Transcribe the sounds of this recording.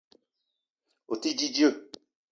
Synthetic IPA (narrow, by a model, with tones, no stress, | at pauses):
o˨ti˦d͡ʒi˦d͡ʒi˦o˦˨